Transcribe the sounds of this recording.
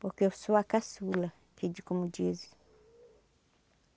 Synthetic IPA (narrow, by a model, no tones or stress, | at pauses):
bɔkɔsuwakasula | kid͡ʒikumud͡ʒizi̥